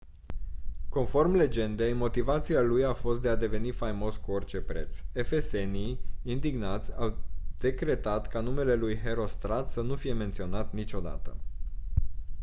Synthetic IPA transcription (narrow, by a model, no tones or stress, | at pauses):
ko̞nfo̞rmle̞d͡ʒe̞nd̪e̞jmo̞t̪ivat̪sialujafo̞st̪̚d̪ead̪e̞ve̞nifajmo̞skuo̞rt͡ʃe̞pɾe̞t̪se̞fese̞nijind̪iɡnat̪sʲawd̪̥e̞kɾe̞t̪at̪kanume̞le̞lujɦe̞ɾo̞st̪ɾat̪sənufije̞ment̪sio̞nat̪nit͡ʃo̞d̪a̰t̪ə̰